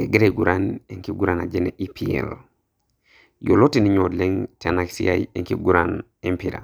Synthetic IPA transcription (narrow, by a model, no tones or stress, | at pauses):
eɡeɾeɡuɾaneŋkiɡuɾana̰d͡ʒeneʔipʰiḛl | jolotiniɲodleŋtʰenaksiajeŋkiɡuɾan | empiɾa̰